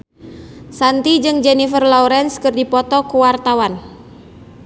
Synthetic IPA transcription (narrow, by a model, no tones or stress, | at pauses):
sant̪id͡ʒɨŋd͡ʒɛnifərlɔuɾɛnskɨrdipɔt̪ɔkuwart̪awan